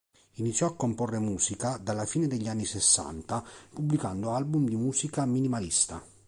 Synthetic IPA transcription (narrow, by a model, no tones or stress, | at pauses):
init̪sːjɔakːomporːemuːsikad̪alːafiːned̪eʎːanːisesːa̰nt̪apublikand̪oalbumd̪imuːsikaminimalist̪a̰